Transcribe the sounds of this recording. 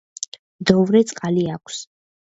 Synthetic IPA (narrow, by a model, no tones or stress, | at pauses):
md̪ɔvɾɛt̪sʼqʼaliakʷʰs